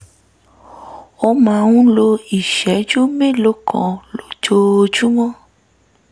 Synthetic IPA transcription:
o˧mã˧wũ˦lo˧i˨ʃɛ˨˦d͡ʒu˦mẽ˦˨lo˨˦kʰɔ̰̃˨lo˨d͡ʒo˧d͡ʒu˦w̃ɔ̃˦

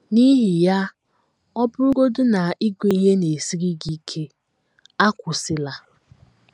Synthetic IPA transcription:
ni˦ɦi˨ja˦ | ɔ˦pʊ˦ɾu˦ɡo˦dʊ˦na˨i˦ɡʷe˨i˦ɦe˦ne˨si˦ɾi˦ɡi˦kʰe˦ | a˦kʷʊ˨sɪ˦la˦

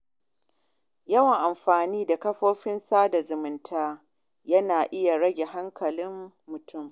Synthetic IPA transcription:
jɐ˦wɐ˨ŋʔa˨mɸaː˨niː˦da˨kɐ˦ɸoː˦ɸɪ˦nsaː˦da˨zʊ˨mɪ˨ntʰaː˦ | jɐ˦naː˨ʔɪ˦ja˨ɽɐ˦ɡʲe˨ɦa˦ŋkɐ˨lɪ˦mː | ʊ˨tʊ˦˨m

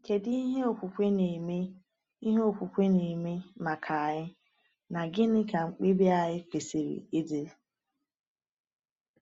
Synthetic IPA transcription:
ke˨di˦i˦ɦe˦o˨kʷu˨kʷe˦ne˨me˦ | i˦ɦe˦o˦˨kʷu˨kʷe˦ne˨me˦ma˨kʰa˨a˨ɦɪ˦ | na˨ɡɪ˦nɪ˦ka˨ŋ͡m̩˨k͡pi˦bi˦a˨ɦɪ˦ke˨se˨ɾḭ˨e˦de˦

